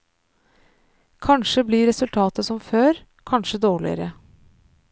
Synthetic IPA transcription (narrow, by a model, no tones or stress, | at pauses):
kʰɑnʂəbliɾɛsʉlt̪ʰɑːt̪əsɔmføːɾ | kʰɑnʂəd̪oːɭɪ̰ə̰ɾə